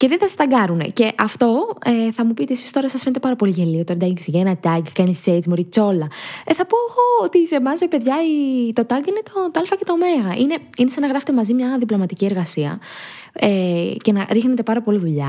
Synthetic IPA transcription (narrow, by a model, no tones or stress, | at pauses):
ceðenθɐst̪ɐɡɐɾune̞̰ce̞ʔɐft̪o̞eθɐmupit̪iesi̥st̪o̞ɾɐsɐsfent̪pɐɾɐpo̞liʝeliot̪oɾd̪ɐisʝɐenɐt̪ɐɡkɐnist͡seit͡smoɾit͡so̞lɐeθɐpoxoot̪isemɐzvepe̞ðʝɐit̪o̞t̪ɐɡine̞t̪o̞t̪oɐlfɐce̞t̪o̞ːmeɣɐʔine̞ | inesɐnɐɣɾɐfet̪e̞mɐzimɲɐðiplo̞mɐt̪icie̞ɾɣɐsiɐ̰ | ece̞nɐɾixnet̪e̞pɐɾɐpo̞liðuʎɐ̰